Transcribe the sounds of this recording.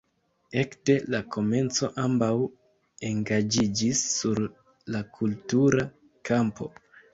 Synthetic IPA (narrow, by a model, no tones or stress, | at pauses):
e̞kde̞lakʰo̞me̞nt͡so̞ʔambaw | e̞ŋɡad͡ʒid͡ʒisːuɾ | lakʰultuɾa | kʰampo̞̰